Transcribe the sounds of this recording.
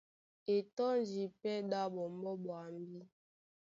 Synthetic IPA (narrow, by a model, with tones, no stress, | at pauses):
e˨tɔ˦n˦d͡ʒi˨pɛ˦ɗa˦bɔ˨m˦bɔ˦bwa˨m˦bi˦